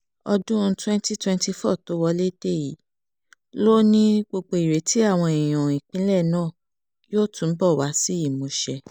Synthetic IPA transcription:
ɔ˧dũ˦ũ˧˦twɛ̃˦nti˦twɛ̃˦nti˧fɔ˦˨to˨˦wɔ˧le˦de˦˨ji˨˦ | lo˦nĩ˦ɡ͡bo˧k͡po˧i˨ɾe˨tʰi˦a˦˨w̃ɔ̃˧i˨j̃ɔ̃˨ĩ˨k͡pĩ˨˦lɛ˦˨nãː˦˨ | joː˦˨tũ˧˦bɔ˦˨wa˨˦si˦i˦˨mo˨˦ʃɛ˧

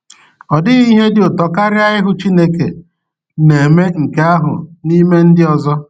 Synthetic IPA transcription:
ɔ˨dɪ˦i˦ɦe˦dɪ˨ʊ˨tɔ˨ka˦ɾɪ˦a˦ɪ˦ɦʊ˨t͡ʃi˦ne˦kḛ˨ | ne˨me˦ŋ̩˨ke˦a˦ɦʊ̰˨ni˦me˦n̩˦dɪ˦ɔ˨zɔ˦

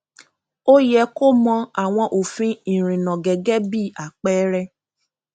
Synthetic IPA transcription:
o˦jɛ˧˦ko˦mɔ̃˧a˨w̃ɔ̃˧ʔo˨fĩ˧ĩ˨ɾ̃ĩ˨nɔ̃˨ɡɛ˨ɡɛ˨˦bi˦˨a˨k͡pɛ˦ɾɛ˧

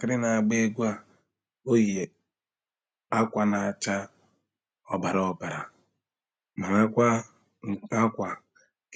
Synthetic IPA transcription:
kɪ˦ɾɪ˦na˨a˨ɡ͡be˦ɡʷa˦ | o˦je˨ | a˦kʷa˨na˨a˨t͡ʃa˦ | ɔ˨ba˨ɾɔ˨ba˨ɾa̰˨ | ma˨a˦kʷa˦ | ŋ̩˨ka˦kʷa˨ | k

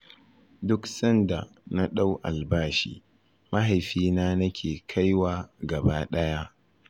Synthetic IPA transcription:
dʊ˦ksɐ˦nda˨na˦ɗa˦wʔa̰˨lbaː˦ʃḭː˨ | ma˦ɦa˨jɸiː˦naː˦nɐ˦kʲʰeː˨kʰa˦jwaː˨ɡɐ˨baː˦ɗɐ˦ja˦ʔ

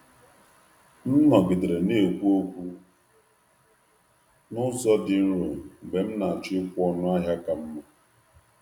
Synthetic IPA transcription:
m̩˦nɔ˨bɪ˨de˨ɾe˨ne˦˨kʷu˦o˦kʷu˦ | nʊ˦zɔ˦dɪ˨n̩˦ɾo˨be˨m̩˦na˨a˨t͡ʃʊ˦ɪ˦kʷʊ˦ɔ˦nʊ˦a˦ɦja˦ka˨m̩˦ma˨

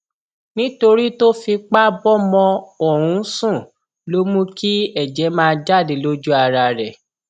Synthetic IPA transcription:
nĩ˦to˧ɾi˦to˦fi˧k͡pa˦bɔ˦mɔ̃˧o˦˨ɾ̃ũ˨˦sũ˦˨ | lo˦mũ˦ki˦ɛ˦˨d͡ʒɛ˨˦mãː˦˧d͡ʒa˦˨de˨˦lo˦d͡ʒu˦a˧˨ɾa˧ɾɛ˨

